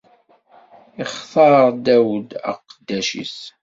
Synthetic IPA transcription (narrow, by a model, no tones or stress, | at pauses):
ɪχθɑɾd̪æwd̪ə̰qəd̪ːæʃḭs